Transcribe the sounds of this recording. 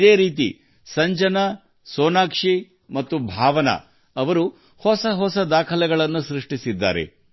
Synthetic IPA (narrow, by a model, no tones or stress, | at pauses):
d̪eːɾiːt̪̬ḭ | sɐɲd͡ʒɐnɐ | soːnaːkʂi | mɐt̪ːubʱaːʋɐnɐ̰ | ɐʋɐɾu | hɔsɐɦɔsɐd̪aːkʰɐlɛɡɐɭɐnːusɾiʂʈisid̪ːa̰ːɾe̞̰